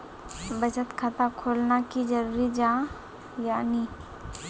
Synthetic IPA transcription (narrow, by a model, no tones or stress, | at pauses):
bəd͡ʒət̪kʰat̪akʰoːlnakid͡ʒəɾuːɾid͡ʒã | jaːni